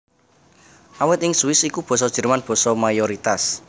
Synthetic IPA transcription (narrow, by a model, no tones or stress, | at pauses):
ʔawɪt̪ɪŋswɪsikub̥ɔ̤sɔd̥ʒ̥ə̤rmanb̥ɔ̤sɔmajoɾit̪as